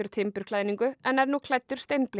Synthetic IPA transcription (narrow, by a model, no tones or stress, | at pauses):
ʏɾ̥t̪ʰɪmpʏɾ̥kʰlaːjniŋkʏɛnːɛɾnuːkʰlajt̪ːʏɾ̥st̪ejnplɪ